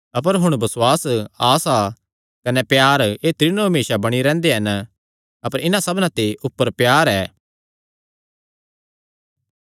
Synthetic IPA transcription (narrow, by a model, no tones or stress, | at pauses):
ɐp̬əɾɦʊɽ̃bɐswaːsaːsa | kɐnɛpjaːɾeːt̪ɾɪnõɦɐmeːʃabɐɽ̃iɾɛ̃ːnd̪eɦɐn | ɐpəɾɪnãsɐbnãt̪eʔʊpːəɾpjaːɾɛː